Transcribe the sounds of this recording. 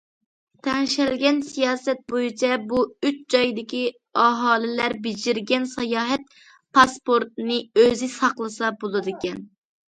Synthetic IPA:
t̪ʰɛŋʃɛlɡʲɛnsijɑːsɛt̪̚bojit͡ʃʰɛbuyt͡ʃd͡ʒɑjd̪ɪkʲi | ɑɦɑːlɪlæɾbɪd͡ʒɪɾɡʲɛnsɑjɑːɦɛt̪̚ | pʰɑspoɾt̪̚nɨøzɪsɑqlˠɨsɑbolˠɨd̪ɨkʲɛn

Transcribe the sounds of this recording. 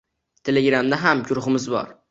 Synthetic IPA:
t̪ʰeleɡʲɾamd̪aɦamɡʊɾʊχɪmɪzbɒ̰ɾ

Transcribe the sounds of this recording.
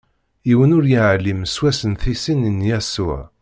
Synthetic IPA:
iwənʊɾjiʕlːimswæsənθisinənjæsʊ̰ʕ

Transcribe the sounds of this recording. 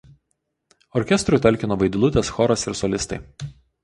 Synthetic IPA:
ɔɾʲkʲɛst̪ɾʊt̪ʲɛlʲkʲɪnoːʋɐɪd̪ʲɪlˠʊt̪ʲɛsxɔɾɐsɪɾsɔlʲɪst̪ɐɪ

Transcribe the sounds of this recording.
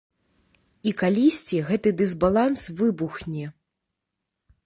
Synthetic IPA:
ikalʲisʲt͡sʲiɣɛt̪ɨd̪ɨzbalˠansvɨbuxnʲɛ

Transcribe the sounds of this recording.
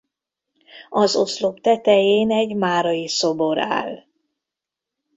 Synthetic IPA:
ɒzo̞̰slo̞pt̪ɛt̪ɛjeːnɛɟmaːɾɒjiso̞bo̞ɾa̰ːl

